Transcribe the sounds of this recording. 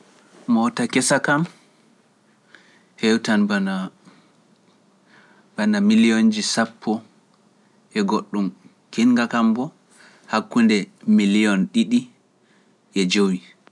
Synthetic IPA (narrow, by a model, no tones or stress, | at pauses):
mɔtakɛsakam | hɛwtanbana | b̥anamilijond͡ʒisapʰːɔ | ɛɡoɗːum | kiŋɡakambɔ | hakːundɛmilijɔnɗiɗi | ʔɛd͡ʒowi